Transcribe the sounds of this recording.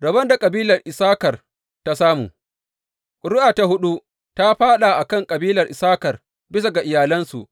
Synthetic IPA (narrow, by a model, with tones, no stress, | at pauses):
ɽɐ˨bɐ˦nda˨kʼɐ˨biː˦lɐ˨rʔɪ˨saː˦kɐ˨r | ta˦saː˦mṵː˨ | ɽʊ˦ʔaː˨ta˦hʊ˦ɗu˦ | ta˦ɸaː˦ɗa˨ʔa˨kɐ˦ŋkʼɐ˨biː˦lɐ˨rʔɪ˨saː˦kɐ˨r | bɪ˦s̬a˨ɡa˨ʔɪ˨jaː˨lɐ˦nsu˨ʔ